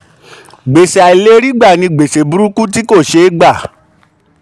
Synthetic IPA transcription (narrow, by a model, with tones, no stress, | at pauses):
ɡ͡be˨se˨a˨i˨le˦ɾi˦ɡ͡ba˦˨nĩ˧ɡ͡be˨se˨bu˨˦ɾu˦ku˦ti˦ko˦˨ʃe˧˦ɡ͡ba˦˨